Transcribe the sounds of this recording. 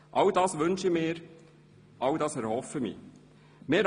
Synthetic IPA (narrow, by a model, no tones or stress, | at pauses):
ʔɑld̥ɑːsʋʏnʃɪmɪːɾ | ʔɑldɑːsɛɾhɔfəmḭː | meːɾ